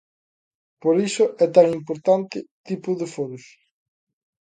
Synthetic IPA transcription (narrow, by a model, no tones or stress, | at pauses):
poɾisʊʔɛt̪aŋimpoɾt̪ant̪ɪt̪ipʊðefoɾʊs